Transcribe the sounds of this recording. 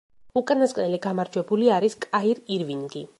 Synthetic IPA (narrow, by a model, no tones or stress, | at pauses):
ukʼanaskʼnɛliɡamaɾd͡ʒwɛbuliaɾiskʼaiɾiɾviŋɡi